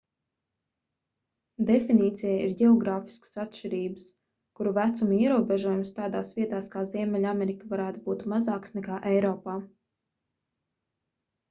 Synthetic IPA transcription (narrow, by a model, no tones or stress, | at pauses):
d̪efiniːt̪sijaiɾɟʲɛɔɡɾaːfi̥skə̥sat̪ʃiɾiːbəs | kuɾuvæt̪sumiɛɾuɔbɛʒuɔjumst̪aːd̪aːsvʲiɛt̪aːskaːziɛmʲɛlʲamʲɛɾikavaɾæːt̪ubuːt̪mazaːksnɛkaːʔɛjɾɔːpaː